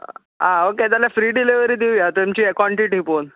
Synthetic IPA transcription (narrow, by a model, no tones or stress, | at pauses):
ɦãoket̪alafɾiːɖileʋəɾiːd̪iʋjat̪oemt͡ɕiːkwɔɳʈiʈipon